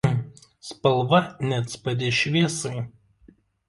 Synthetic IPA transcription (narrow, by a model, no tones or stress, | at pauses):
spɐlˠʋɐnʲɛt̪spɐd̪ʲeːʃʲʋʲiɛsɐɪ